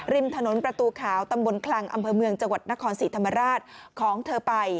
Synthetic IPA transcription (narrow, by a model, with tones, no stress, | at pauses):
ɾi˧mt̪ʰa˧no˩˦npɾa˧t̪uː˧kʰaː˩˦wt̪a˧mbo˧nkʰla˧ŋʔa̰˧mpʰɤː˧mɯ˧əŋt͡ɕa˧ŋwa˨˩t̪̚na˦˥kʰɔː˧nsiː˨˩˦t̪ʰa˧mːa˧ɾaː˥˩t̪̚kʰɔː˩˦ŋt̪ʰɤː˧pa˧j